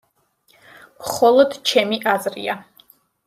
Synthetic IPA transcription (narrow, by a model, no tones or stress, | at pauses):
mχɔlˠɔd̪̥t͡ʃʰɛmiʔazɾḭa